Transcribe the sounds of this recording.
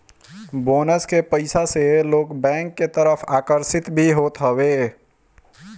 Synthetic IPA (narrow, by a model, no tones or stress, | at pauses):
boːnəskepəɪsaseloːkbɛ̃ːŋkːet̪əɾəfʰaːkəɾsɪt̪bʱiɦoːt̪ɦəweː